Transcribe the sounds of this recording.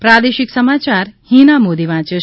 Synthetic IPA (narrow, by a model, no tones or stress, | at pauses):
pɾad̪eʃiksəmat͡ʃaɾhinamod̪iʋãt͡ʃe